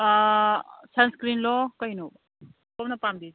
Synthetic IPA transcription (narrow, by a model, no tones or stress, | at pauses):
sɐnskɾiːnlɔːkɐinob | komnɐpaːmd̪iː